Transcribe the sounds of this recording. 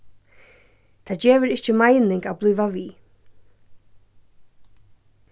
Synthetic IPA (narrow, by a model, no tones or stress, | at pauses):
t̪ʰaːd͡ʑeːvəɾɪht͡ʃəmajnɪŋkawblˠʏːvaviː